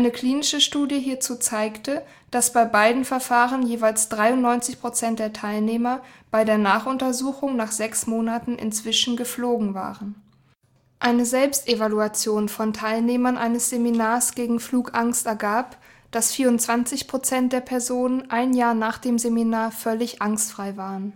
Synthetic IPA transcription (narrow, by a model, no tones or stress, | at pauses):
ʔaɪnəkʰl̥iːnɪʃəʃtuːdjəɦiːɐt͡suːt͡saɪktə | d̥asb̥aɪbaɪdn̩fɛɐfaːʁənjeːvaɪlsd̥ʁaɪʊntnɔʏnt͡sɪçpʁ̥ot͡sɛnt̚d̥eːɐtʰaɪlneːmɐb̥aɪdeːɐnaːχʔʊntɐzuːxʊŋnaːχz̥ɛksmoːnatn̩ʔɪ̰nt͡sv̥ɪʃn̩ɡəfloːɡŋ̩va̰ːʁən | ʔaɪnəzɛlpstʔevaluat͡sjoːnfɔntʰaɪlneːmɐnʔaɪnəsz̥eminaːɐsɡ̥eːɡŋ̩fluːkʔaŋstɛɐɡaːp | d̥asfiːɐʊntt͡sv̥ant͡sɪçpʁ̥ot͡sɛnt̚d̥eːɐpʰɛɐzoːnənʔaɪnjaːɐnaːχd̥eːmzeminaːɐfœlɪçʔaŋstfʁ̥aɪvaːʁən